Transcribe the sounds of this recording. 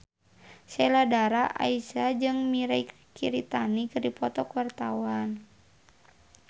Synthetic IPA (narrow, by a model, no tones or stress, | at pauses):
sɛladaɾaʔa̰isad͡ʒɨŋmiɾai | kiɾit̪anikɨrdipɔt̪ɔkuwart̪awan